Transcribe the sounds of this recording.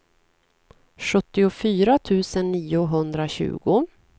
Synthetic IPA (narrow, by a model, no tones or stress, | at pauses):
ɧɵt̪ːɪʊfyːɾat̪ʰʉ̟ːsənːiːʊɦɵnd̪ɾaɕʉ̟̰ːɡʊ